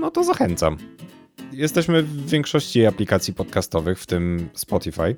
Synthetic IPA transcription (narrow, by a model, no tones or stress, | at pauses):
nɔt̪ɔzaxɛnt̪sa̰m | jɛst̪ɛɕmɘvːʲjɛŋkʂɔɕt͡ɕijejaplʲikat̪sʲjipɔt̪kast̪ɔvɘxft̪ɘmspɔt̪ifaj